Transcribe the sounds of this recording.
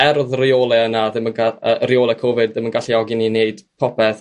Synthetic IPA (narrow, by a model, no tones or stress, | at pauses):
ɛɾðrɪoːlˠɛənaðɪmənɡaərɪjoːlˠɛkʰoːvɨd̚ðɪmənɡaɬiɔɡinineɨd̥pʰɔpʰɛθ